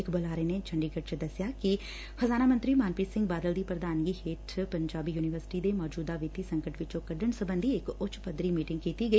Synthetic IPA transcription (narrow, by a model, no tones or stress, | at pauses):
ɪkbəlaːɾeːneːt͡ʃʰəɳɖiːɡəʈ̚t͡ʃd̪əsjaːkɪ | xəzaːnaːmə̃nt̪ɾiːmaːnpiːsɪ̃ŋɡ̚baːd̪əld̪iːpɾəd̪aːnɡiːheːʈʰpəɲd͡ʒaːbiːjuːnɪʋəɾsɪ̥ʈiːd̪eːmɔːd͡ʒuːd̪aːʋɪt̪iːsə̃ŋkəʈʋɪt͡ʃõːkəɖəɳsəbənd̪iːɪkʊt͡ʃpəd̪ɾiːmiːʈɪ̃ŋɡkiːt̪iːɡəiː